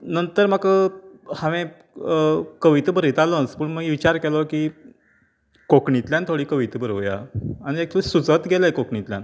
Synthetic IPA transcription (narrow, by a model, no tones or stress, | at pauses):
nənt̪əɾmakəhaʋẽ | kəʋit̪bəɾit̪alət͡spəɳm̤əɡʋit͡ɕaɾkelɔkiː | kokɳit̪ljant̪ʰoɽiːkəʋit̪bəɾoʋja̰aɽ̃iek̚t̪ʰsut͡sət̪ɡʱelajkokɳit̪lʲja̰n